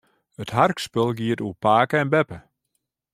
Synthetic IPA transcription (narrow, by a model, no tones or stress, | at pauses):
ətɦarkspølˠɡiətupaːkəɛnbɛpə